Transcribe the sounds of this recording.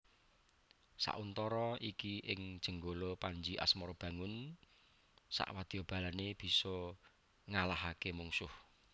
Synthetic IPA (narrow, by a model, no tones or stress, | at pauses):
sa̰ʔunt̪ɔɾɔikiʔɪŋd̥ʒ̥ə̤ŋɡolopaɲd͡ʒiʔa̰smɔɾb̥ä̤ŋʊn | sa̰ʔwad̪̥i̤ɔb̥ä̤laneb̥i̤sɔ | ŋalaɦakemuŋsʊh